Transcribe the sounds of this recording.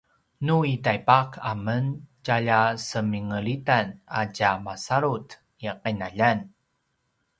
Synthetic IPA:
nuitajpakʰaməncaʎasəmiŋəɭitana̰camasaɾut | iqənaʎan

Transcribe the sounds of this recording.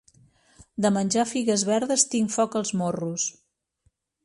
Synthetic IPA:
d̪əmənʲʒafiɣəzβɛɾðəst̪iŋfɔkəlˠzmorus

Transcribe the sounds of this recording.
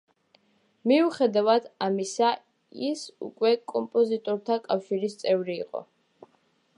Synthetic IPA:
miuχɛd̪avad̪amisa | isṵkʼwɛkʼɔmpʼɔzit̪ʼɔɾt̪ʰakʼafʃiɾist̪sʼɛvɾḭːqʼɔ̰

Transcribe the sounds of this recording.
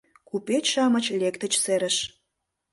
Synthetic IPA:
kupet͡ɕʃɑmə̆t͡ɕlʲekt̪ə̆t͡ɕseɾə̆ʃ

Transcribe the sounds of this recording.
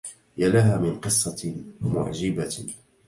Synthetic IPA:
jalaɦaːmɪnqɨsˤːɑmʊ̰ʕd͡ʒɪba

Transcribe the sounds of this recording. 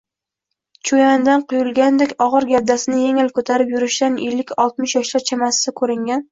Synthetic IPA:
t͡ʃʰojand̪anqʰʊjʊlˠɡʲand̪ekʲɒʁɨɾɡʲad̪ːasɪnɪjeŋɪlkʰɵt̪ʰaɾɪpjʊɾɪʃd̪anelːɪkʲɒlˠt̪mɪʃjɒʃlaɾt͡ʃʰamasɪ̥sakʰɵɾɪŋɡʲan

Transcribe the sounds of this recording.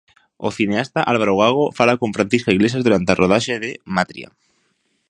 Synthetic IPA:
o̰θineast̪aʔalβaɾoɣaɣ̞o̞falako̞ɱfɾanθiskaiɣle̞sjazðuɾant̪earʔoð̞aʃeðemat̪ɾḭa̰

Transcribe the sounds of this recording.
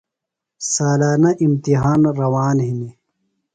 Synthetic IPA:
saːlaːnaʔimt̪iɦaːnɾɐwaːnɦini

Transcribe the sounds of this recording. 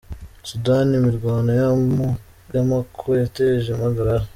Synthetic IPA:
sudanimiɾɡwaːndojamu | jamakʰuɾojateʒemaɡaɾaɾa

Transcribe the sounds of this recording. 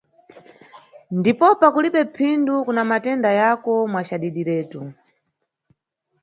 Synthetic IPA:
ndipɔpakuliɓɛpʰindukunamatɛndajakɔmwat͡ʃaɗiɗiɾɛːtu

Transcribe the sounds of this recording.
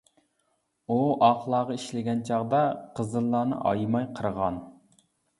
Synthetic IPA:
uʔɑqlˠɑːʁɑiʃlɪɡʲɛnt͡ʃʰɑʁd̪ɑqʰəzɨlˠːɑːnɨ̰ʔɑ̰jmɑjqʰəɾʁɑn

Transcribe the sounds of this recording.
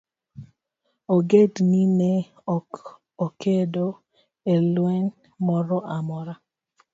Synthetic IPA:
oɡedninɛ | ɔk | okedo | elwɛn | mɔɾɔʔamɔɾa

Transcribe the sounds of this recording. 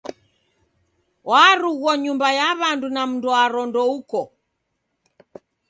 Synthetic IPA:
waɾuɣɔɲumbajaβandunam̩nduaɾɔndɔukɔ

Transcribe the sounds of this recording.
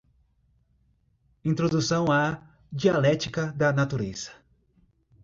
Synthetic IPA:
ĩt̪ɾod̪usɐ̃w̃a | d͡ʒialɛt͡ʃikɐd̪ɐnat̪uɾez̥ɐ̥

